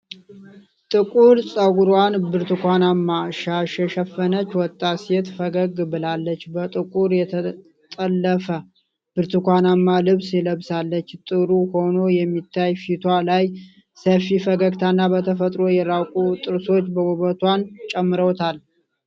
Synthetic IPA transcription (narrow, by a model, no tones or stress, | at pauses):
t̪ʼɨkʼuɾsʼəɡuɾwanbɨɾt̪ʰɨkʷanamːaʃaʃɛʃɛfːənət͡ʃːwɔt̪ʼːaset̪fəɡəɡbɨlalːət͡ʃːbət̪ʼɨkʼuɾjɛt̪ʰə | t̪ʼəlːəfə | b̥ɨɾt̪ʰɨkʷanamːalɨβsɛləβsalːət͡ʃːt̪ʼɨɾuho̞no̞jɛmːit̪ʰːajfit̪ʰwalaj | səfifəɡəɡt̪ʰanːabət̪ʰəfət̪ʼɾo̞jɛɾawkʼut̪ʼɨɾso̞t͡ʃːbəwuβət̪ʰwant͡ʃʼɛmːɨɾəwt̪ʰal